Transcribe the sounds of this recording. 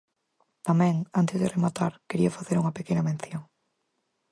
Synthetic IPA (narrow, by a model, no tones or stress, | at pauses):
t̪amɛ̃ŋant̪ɪzðɪremat̪aɾkeɾiɐfaθeɾuŋɐpekenɐmẽnθjoŋ